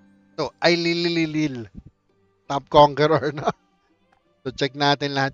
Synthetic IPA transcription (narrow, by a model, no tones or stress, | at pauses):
soʔɐjlilililil | t̪ap̚koŋkɛɾɐɹno | sot͡ʃɛk̚naːt̪ɪnlɐhat̪̚